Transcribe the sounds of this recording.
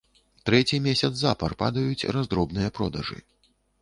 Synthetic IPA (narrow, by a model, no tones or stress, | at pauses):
t̪ɾɛt͡sʲimʲesʲɐt̪szapɐrpa̰d̪ɐjut͡sʲrazd̪ɾɔbnɨjɐpɾɔd̪ɐʐɨ̰